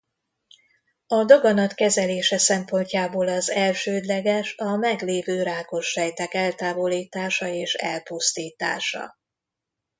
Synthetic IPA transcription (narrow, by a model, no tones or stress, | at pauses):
ɒd̪oɡɒnɒt̪kɛzɛleːʃɛsɛmpo̞ɲcaːboːlɒzɛlʃøːd̪lɛɡɛʃɒmɛɡleːvøːɾaːko̞ʃrɛjt̪ɛkɛlt̪aːvo̞liːt̪aːʃɒeːʃɛ̰lpust̪iːt̪a̰ːʃɒ̰